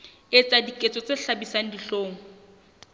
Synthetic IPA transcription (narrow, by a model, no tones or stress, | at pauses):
et͡sʼadikʼet͡sʼɔt͡sʼeɬabisaŋ̩diɬoːŋɔ